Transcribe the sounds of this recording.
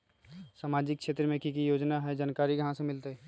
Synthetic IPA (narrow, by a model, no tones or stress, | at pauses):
saːmaːd͡ʒɪkʃʰeːt̪ɾəmẽkikijoːd͡ʒnaɦɛd͡ʒaːnkaːɾikɐɦãsemɪlt̪eɦ